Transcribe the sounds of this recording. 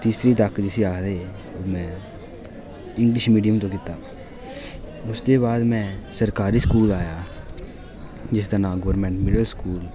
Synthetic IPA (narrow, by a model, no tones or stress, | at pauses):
t̪iːsɾiːt̪əkd͡ʒɪsiːaːkʰd̪eː | omɛ̃ː | ɪŋɡlɪʃmiːɖijəmt̪õːkɪt̪aː | ʊsd̪eːβaːd̪mɛ̃ːsəɾkaːɾiːskuːlaːjaː | d͡ʒɪst̪ənãːɡoːɾmɛ̃ːɳʈmɪɖəlskuːl